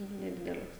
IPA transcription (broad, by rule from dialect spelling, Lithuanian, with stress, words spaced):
nʲɛˈdʲɪdʲɛlʲɛs